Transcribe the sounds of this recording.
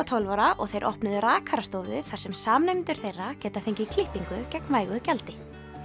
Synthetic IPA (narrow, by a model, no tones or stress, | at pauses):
at̪ʰowlvɔɾaʔɔɣθejɾʔɔ̰hpnʏðʏɾaːkʰaɾast̪oːwvʏθar̥sɛmsaːmnejmɪnt̪ʏɾ̥θejrːacɛːt̪afejɲcɪikʰlɪhpiŋkʏcɛknvaːjɣʏcɛlt̪ɪ